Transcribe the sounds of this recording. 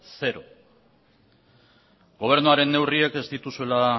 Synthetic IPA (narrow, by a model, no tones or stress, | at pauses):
se̞ɾo̞ | ɡo̞β̞e̞ɾnuaɾe̞nːe̞wrieke̞zd̪it̪usue̞la